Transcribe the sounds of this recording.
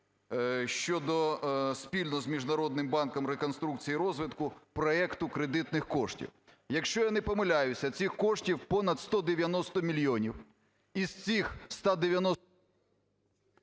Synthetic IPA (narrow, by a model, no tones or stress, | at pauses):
ʃt͡ʃɔd̪ɔspʲilʲnɔzmʲiʒnɐɾɔd̪nɪmbɑnkɔmɾekɔnst̪ɾuk̚t͡sʲijiɾɔzʋɪt̪kʊpɾɔɛkt̪ʊkɾed̪ɪt̪nɪxkɔʃtʲḭw | jɐkʃt͡ʃɔjanɛpɔmɪlʲajʊsʲɐt͡sʲixkɔʂtʲiwpɔnɐt̪st̪ɔd̪eʋʲjɐnɔst̪ɔmʲilʲjɔnʲiw | iz̥t͡sʲixst̪ɑd̪eʋʲjɐnɔ